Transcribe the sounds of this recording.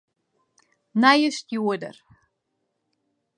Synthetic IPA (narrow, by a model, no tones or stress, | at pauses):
najəst̪juədə̰r